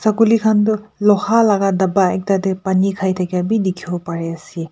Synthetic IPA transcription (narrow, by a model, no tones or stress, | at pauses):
sakulikʰandulɔhalaɡadabaek̚tadepanikʰajtʰaɡabidikʰiɔpaɾeɐsi